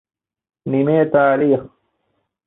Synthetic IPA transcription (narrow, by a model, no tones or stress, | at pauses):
nimeːt̪aːliːx